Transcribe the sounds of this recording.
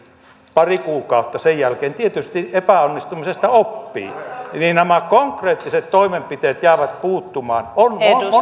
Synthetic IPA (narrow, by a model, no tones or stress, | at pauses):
pɑrikuːkɑˑot̪ːɑsejjælkeːnt̪iet̪yst̪iʔepæonːist̪umisest̪ɑopːḭːniːnæmækoŋkreːt̪ːiset̪t̪oimempit̪eːt̪jæˑːʋæt̪̚puːt̪ːumɑːnono